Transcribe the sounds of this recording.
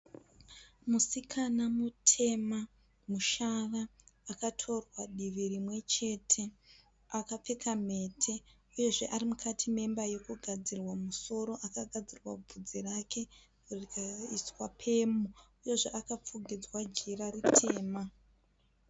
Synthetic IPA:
musikʰanamutʰe̞ma | muʃaraːkatʰo̞rwaɗiʋirimwe̞t͡ʃe̞tʰe̞ | akap͡fe̞kʰame̞tʰe̞ | uje̞ʐe̞ʔaɾimukʰatʰime̞mbaje̞kuɡʱad͡zirwamuso̞ɾo̞ʔakaɡʱad͡zirwa̰b͡vʱud͡zirake̞ | rikaiswapʰe̞muuje̞ʐeʔakap͡fuɡʱid͡zwad͡ʒiɾaritʰe̞ːma

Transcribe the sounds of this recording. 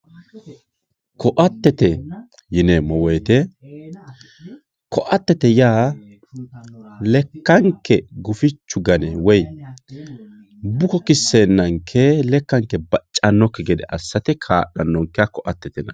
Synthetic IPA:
kɔʔɐt̪ːɛt̪ɛ | jɪnemɔwɔjt̪ɛ | kɔʔɐt̪ːɛt̪ɛjaː | lɛkːɐŋkːɛɡʊfɪt͡ʃːʊɡɐnɛwɔj | bʊkɔkɪsːeːnːɐŋkʰelɛkːɐŋkːɛbɐt͡ʃʼːɐnːɔkːɛɡɛd̪ɛʔɐsːɐt̪ɛkʰaːɗɐnːɔŋkːɛakɔʔɐt̪ːɛt̪ɛnɐ

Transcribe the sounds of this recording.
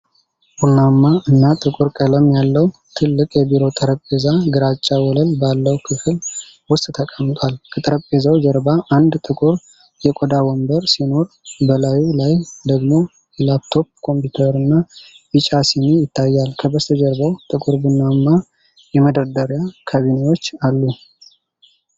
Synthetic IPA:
bunːamːaʔɨnːat̪ʼɨkʼuɾkʼələmjalːəwt̪ʰɨlːɨkʼjɛbiɾo̞t̪ʼəɾəpʼːezaɡɨɾat͡ʃʼːawɔləlbalːəwkʰɨfɨl | wʊst̪ʼt̪ʰəkʼəmt̪ʼwalkʰət̪ʼəɾəpʼːezawd͡ʒəɾbaʔand̪t̪ʼɨkʼuɾ | jɛkʼod̪awɔmbəɾsino̞ɾ | bəlajulajd̪əɡmo̞ | jɛlapt̪ʰo̞p̚kʰo̞mpjut̪ʰəɾɨnːa | bɨt͡ʃʼasinijɪt̪ʰːajːalkʰəbəst̪ʰəd͡ʒɛɾbəwt̪ʼɨkʼuɾbɨnːamːa | jɛməd̪əɾd̪əɾjakʰaβinewo̞t͡ʃːalːu

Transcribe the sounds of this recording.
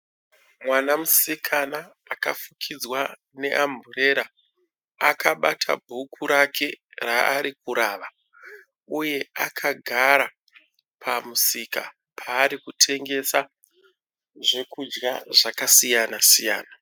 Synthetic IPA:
mwanamusikʰanaː | ka̰fukʰid͡zwa | ne̞ʔambʱure̞ɾa | akaɓatʰa̰bʱukʰuɾakʰe̞raːɾikuɾaːʋa | uje̞akʰaɡʱaɾa | pʰamusika̰ | pʰaːɾikutʰe̞ŋɡe̞sa | ʐe̞kud͡ʒɡaʐakasijanasija̰ːna

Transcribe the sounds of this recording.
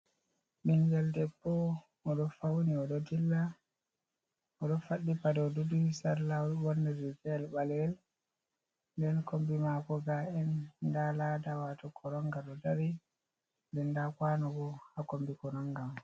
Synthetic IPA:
ɓiŋɡɛldɛbːɔ | ɔɗɔfawniɔɗɔdilːa | ɔɗɔfaɗːipadɔdudusaɾlabɔnːɛɾid͡ʒɛɛlɓalwɛl | ndɛnkombimakɔɡaɛndaladawatɔkʰɔɾɔŋɡaɗɔdaɾi | ndɛndakwanɔɡɔhakombikɔnɔŋɡam

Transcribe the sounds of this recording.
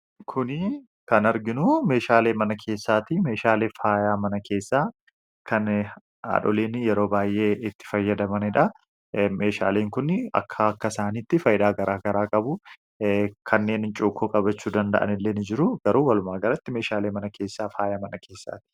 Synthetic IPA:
kʰʊnɪ | kɐnɐɾɡɪnʊme̞ːʃaːleːmɐnɐkʰe̞ːsːaːt̪ime̞ːʃaːle̞ːfaːjaːmɐnɐkʰe̞ːsːaː | kʰɐn | a̰ːᶑɔ̰leːnjɛɾo̞ːbaːjʔe̞ːɪt̪ːɪ̥fɐjːɐd̪ɐmɐnɪᶑɐ | me̞ːʃa̰ːleːŋkʊnɐ̰kʰːɐɐkːɐsaːniːt̪ːɪfɐjd̪aːɡɐɾʔaːɡɐɾaːkʼɐbʊ | kʰɐnːe̞ːnɪnt͡ʃʼuːkʰːuːkʼɐbɐt͡ʃːuːd̪ɐnd̪ɐ̰ʔɐ̰nɪlːeːnɪd͡ʒɪɾʊɡ̥ɐɾuːwɐlʊmaːɡɐɾɐt̪ːɪme̞ːʃaːle̞ːmɐnɐkʰe̞ːsːaːfaːjaːmɐnɐkʰeːsːa̰ːt̪ɪ̥

